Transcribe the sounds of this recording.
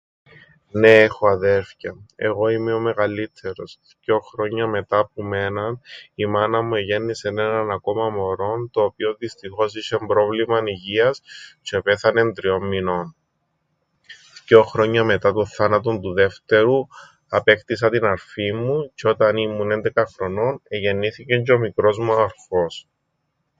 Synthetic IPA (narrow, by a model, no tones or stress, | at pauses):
neexoɐðe̞ɾfçɐe̞̰ɣo̞imeome̞ɣɐlit̪ʰːe̞ɾo̞sfco̞xɾo̞ɲːɐme̞t̪ɐpume̞nɐnimɐnɐmueʝenːise̞nenɐnɐko̞mɐmo̞ɾo̞nt̪o̞ːpio̞ðist̪ixo̞siʃembɾo̞vlimɐniʝiɐst͡ʃepe̞θɐne̞nd̪ɾio̞mːino̞n | fco̞xɾo̞ɲːɐme̞t̪ɐt̪onθɐnɐt̪o̞nt̪uðe̞ft̪e̞ɾu | ɐpe̞kt̪isɐt̪inɐɾfimːuceo̞t̪ɐnimːune̞nd̪e̞kɐxɾo̞no̞neʝe̞nːiθice̞ɲɟomikɾo̞zmuɐɾfo̞s